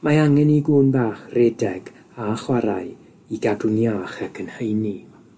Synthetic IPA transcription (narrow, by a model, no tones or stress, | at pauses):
maaŋɛniɡuːnbaːχrɛdɛɡ̥ | aχwaɾa̰ɨ | iɡadʊnjaːχəkʰənhəjni